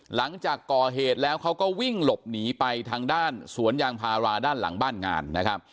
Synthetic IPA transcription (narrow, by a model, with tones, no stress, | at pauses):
la˩˦ŋt͡ɕaː˨˩kːɔː˨˩ɦeː˨˩t̪̚lɛː˦˥wkʰa˦˥wkɔː˥˩wi˥˩ŋlo˨˩p̚niː˩˦pa˧jt̪ʰaː˧ŋdaː˥˩nsu˩˦ənjaː˧ŋpʰaː˧ɾaː˧daː˥˩nla̰˩˦ŋbaː˥˩nŋa̰ː˧nːa˦˥kʰɾa˦˥p̚